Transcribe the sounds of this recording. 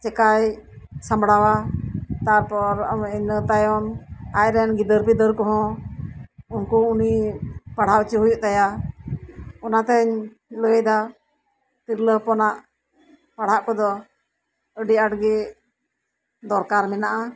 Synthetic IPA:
t͡ʃɛkaj | sambɽawat̪aɾpɔɾəɲət̪ajɔnajɾɛnɡid̪əɾpid̪əɾkɔɦɔ̃ | unkuunipaɽ̤awt͡ʃəɦujuʔt̪aja | ɔnat̪ɛɲ | ləd̪a | t̪iɾləhpɔnaʔ | paɽ̤aʔkɔd̪ɔ | əɖiaʈɡɛ | d̪ɔɾkaɾmɛnaʔa

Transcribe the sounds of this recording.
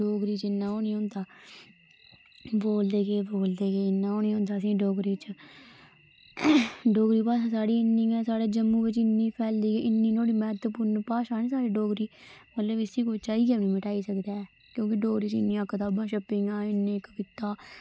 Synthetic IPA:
ɖoːɡɾiːt͡ʃɪnːãːoːnĩːõːnd̪aː | boːld̪eːɡeːboːld̪eːɡeːɪnːãːoːnĩːɦõːnd̪aːəsĩːɖoːɡɾiːt͡ʃə | ɖoːɡɾiːpaːʃãːsaːɽiːɪnːĩːɛːsaːɽeːd͡ʒəmːũːbɪt͡ʃɪnːĩːpʰɛːld̪iːɡeːʔɪnːiːnoːɽiːmɛːt̪pʊːɾnpaːʃãːnẽːsaːɾeːɖoːɡɾiːmət̪ləbɪsiːkoːt͡ʃaːiːɡɛːʊnĩːmɪʈaːiːsəkd̪aːɛː | kjõːkɪɖoːɡɾiːt͡ʃɪ̰nːĩːãːkːət̪aːbãːʃəpːɪŋãːɪnːẽːkkɪt̪ːaː

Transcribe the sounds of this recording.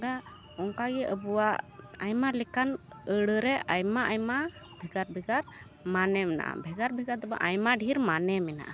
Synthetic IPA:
ɡa | ɔŋkaɡɛʔəbuwaajmalɛkan | əɽəɾɛʔajmaʔajma | bʱɛɡaɾbʱɛɡaɾ | manɛmɛna̰ʔa̰bʱɛɡaɾbʱɛɡaɾd̪ɔba̰ʔajmaɖʱiɾmanɛmɛna̰ʔa

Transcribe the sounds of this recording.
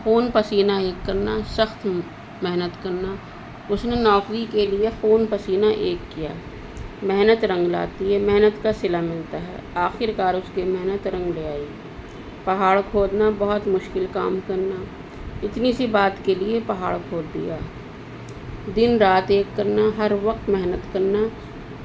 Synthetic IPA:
foːnpɐsiːnaeːkːɐɾnasɐxt̪ | mɛɦnət̪kɐɾna | ʊsnenɔːkɾikeliefoːnpɐsiːnaʔeːkːija̰ː | mɛɦnət̪ɾɐ̃ŋɡla̰ːt̪iɦɛmɛɦnət̪kasɪlamɪlt̪aɦɛ̰ːaːxɪɾkaːɾʊskemɛɦnət̪ɾɐ̃ŋɡleaːi | pɐɦaːɭkʰoːd̪nabɐɦʊt̪mʊʃkɪlka̰ːmkɐɾna | ɪt̪nisibaːt̪keliepɐɦaːɭkʰoːd̪ːḭjaː | d̪ɪnɾaːt̪eːkːɐɾnaɦɐɾʋɐqt̪mɛɦnət̪kɐɾna

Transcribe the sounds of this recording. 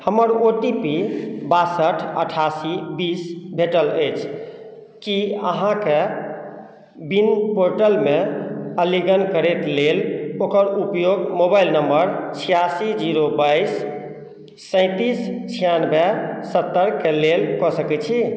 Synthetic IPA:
həməɾoʈipibasəʈʰə̰ʈʰasibisbʱeʈələjt͡ʃʰ | kiə̰ɦãke | binpoɾʈəlmeəliɡənkəɾet̪lelokəɾupjoɡmobajlnəmbəɾt͡ʃʰijasid͡ʒiɾobajsː | ə̃ɪ̃t̪ist͡ʃʰijanbʱesət̪ːəɾkelelkɔsəkɛt͡ʃʰi

